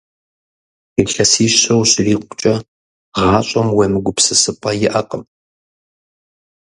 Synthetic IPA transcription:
iɬɐsiːɕɐwɕriːqʷʊ̥t͡ʃʼɐ | ʁɑːɕʷʼɐmwɐmɨɡʷʊpsɨsɨpʼɐjɪʔɐqʼəm

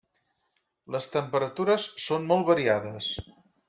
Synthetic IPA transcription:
ləst̪əmpəɾət̪uɾəsːonmɔlˠβəɾiaðəs

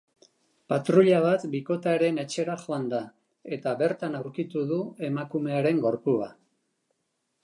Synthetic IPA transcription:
pat̪ɾuʎaβ̞at̪biko̞t̪aɾe̞ne̞t͡ʃe̞ɾaxo̞and̪a | e̞t̪aβe̞ɾt̪anawɾkit̪uðue̞makume̞aɾe̞ŋɡo̞ɾpua̰

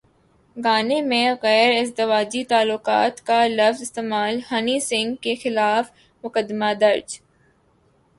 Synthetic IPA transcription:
ɡaːnemẽɣɛːɾɪzd̪ɪʋaːd͡ʒit̪aːlʊqa̰ːt̪kalɐfzɪst̪eːmaːlhɐnisɪ̃ŋɡkexɪlaːf | mʊkəd̪ɪmad̪ɐɾd͡ʒ

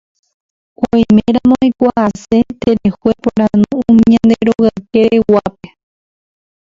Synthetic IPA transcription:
kʷojmẽɾamõikʷaʔase̞t̪eɾehuepoɾ̃anũũmĩãnd̪eɾoɣakeɾewape

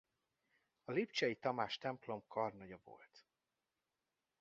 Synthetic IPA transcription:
ɒlipt͡ʃɛit̪ɒmaːʃt̪ɛmplo̞mkʰɒrnoɟɒvo̰lt̪

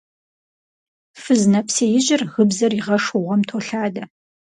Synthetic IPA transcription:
fɨznɐpseːjɪʑɪrɣɨbzɐriʁɐʂʊʁʷɐmtʰoːɬaːdɐ

